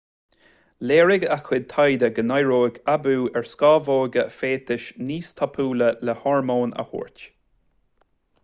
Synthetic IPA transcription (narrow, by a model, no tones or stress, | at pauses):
leːɹɪɡaxwɪd̪̚t̪ʰajd̪əɡənajɹoːɡabuːɛɹskɑːvoːɡəfeːt̪ɪʃniːst̪ʰɔpʰuːlələhɔɹmoːnə̰hṵːɹtʲ